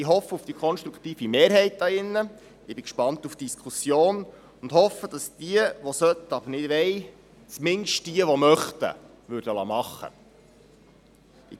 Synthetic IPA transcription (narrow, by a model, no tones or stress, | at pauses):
ɪɦɔfːəufd̥ikʰɔnʃt̪ɾukʰt̪iːfimeːɾɦɛɪt̚ɑɪnːə | ʔɪbɪkʃpɑnt̪ufd̥iskʰusjoːn | ʊnd̪hɔfːəd̥ɑsd̥iəʋɔsœt̪ːɑb̥əɾnɪdʋɛj | t͡smɪnʃtd̥iəʋɔmœχt̪ə̰ | ʋʉɾdəlɑ̰ːmɑχːə̰ | ɪ